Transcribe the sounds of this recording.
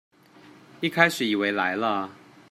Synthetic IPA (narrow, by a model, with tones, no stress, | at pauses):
i˥˩kʰa˥ɪʂɻ̩˨˩i˨˩we˧˦ɪla˧˦ɪlə˧